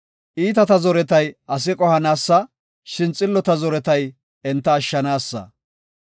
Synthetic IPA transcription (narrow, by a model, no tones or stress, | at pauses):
ʔiːt̪̬ɐt̪ɐzɔɾɛt̪ɐjʔɐs̬ɪkʼɔhɐnaːsːɐ | ʃɪnt͡sʼːɪlːɔt̪ɐzɔɾɛt̪ɐj | ɛnt̪ːɐːʃːɐnaːsːɐ̰